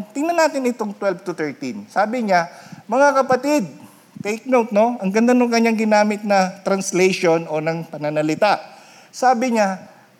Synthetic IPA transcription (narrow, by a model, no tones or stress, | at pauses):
t̪ɪŋnɐnaːt̪ɪnɪt̪oŋt̪wɛlvt̪ʊt̪ɛɹt̪insaːbɪɲamɐŋakɐpɐt̪ɪd̪̚ | t̪ejk̚nowt̪̚no̞ʔɐŋɡɐnd̪anoŋkɐɲːaŋɡɪnaːmɪt̪̚nɐt̪ɾɐnslɛjʃo̞no̞nɐŋpɐnɐnɐlɪt̪aʔ | saːbɪɲa